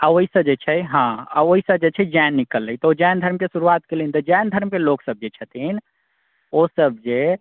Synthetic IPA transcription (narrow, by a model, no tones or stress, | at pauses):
aoɦisəbd͡ʒet͡ʃʰɛɦãaoɦisəbd͡ʒet͡ʃʰɛd͡ʒanːikəlːəit̪ɔod͡ʒand̪ʱəɾmkesuɾuat̪kelint̪ɔd͡ʒand̪ʱəɾmkeloksəb̚d͡ʒet͡ʃʰət̪in | osəb̚d͡ʒe